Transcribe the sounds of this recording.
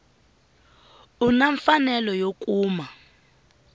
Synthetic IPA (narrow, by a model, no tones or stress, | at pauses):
unaɱfanɛlɔjokʼuːma